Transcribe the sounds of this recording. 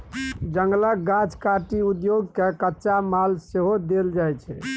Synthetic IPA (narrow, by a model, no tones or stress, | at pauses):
d͡ʒəŋɡlək̚ɡãt͡ʃkaʈiud̪joɡkekətːʃamalseɦod̪eld͡ʒajt͡ʃʰɛ